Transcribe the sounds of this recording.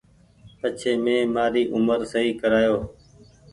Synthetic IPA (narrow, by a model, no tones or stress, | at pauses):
pət͡ʃʰeːmẽːmaːɾiːʔʊməɾsəɦiːkəɾaːjoː